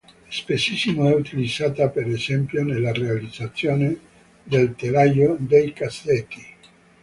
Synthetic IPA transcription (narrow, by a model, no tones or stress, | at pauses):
spesisimoɛut̪ilid̪zːaːt̪apeɾezɛmpjonelːarealid̪zat̪sːjoːne | d̪elt̪elajod̪ejkasːɛt̪ːi